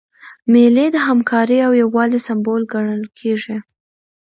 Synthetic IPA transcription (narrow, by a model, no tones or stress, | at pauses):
meled̪əɦamkʰɑɾiawjawɑlesambolɡaɳəlkʰeʐi